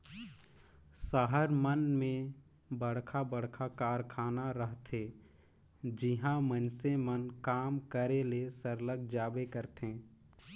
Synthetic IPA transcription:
səɦəɾmənmẽ | bəɽ̤kʰabəɽkʰakaːɾkʰaːnaɾəɦt̪ʰe | d͡ʒɪɦãmənsemənkaːmkəɾelesəɾləɡ̚ʱd͡ʒaːbekəɾt̪ẽː

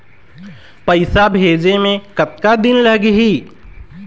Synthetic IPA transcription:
pəɪsabʱeːd͡ʒemẽkət̪̚kad̪ɪnləɦɡɦiː

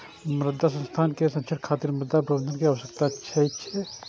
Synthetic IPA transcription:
mɾɪd̪ʱːasɐ̃nst̪ʰaːnkesɐ̃nʃʰəɖkʰaːt̪iːɾmɾɪd̪ʱːabɾɐʋənənkeaʋʃəkt̪atːʃʰɛʃʰɛ

